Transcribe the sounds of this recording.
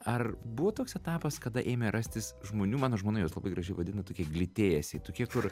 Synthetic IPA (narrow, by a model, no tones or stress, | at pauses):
ɐrbʊʋoːt̪oːksɛt̪ɑːpɐskɐd̪ɐʔeːmʲɛɾʔɐsʲt̪ʲɪsʒmoːnʲuːmɑːnoːʒmoːnɐjoːslˠɐbɐɪɡɾʔɐʒʲɛɪʋɐdʲɪnɐt̪oːkʲiɛɡlʲɪt̪ʲeːjɛsʲɪt̪oːkʲiɛkʊr